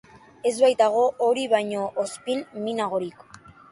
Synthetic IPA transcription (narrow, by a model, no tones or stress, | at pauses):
e̞zβajt̪aɣ̞o̞ʔoɾiβajɲo̞ʔospinminaɣ̞o̞ɾik